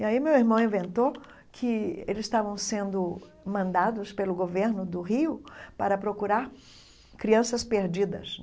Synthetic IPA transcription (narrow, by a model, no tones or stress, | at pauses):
iaimewiɾmɐ̃w̃ĩvẽnt̪o | kʰɪelɪzst̪avɐ̃w̃sẽnd̪ʊ | mɐ̃nd̪ad̪ʊspelʊɡoveɾnʊd̪ʊɦiʊpaɾɐpɾokuɾaɾ | kɾiɐ̃sɐspeɾd͡ʒid̪ɐ̰s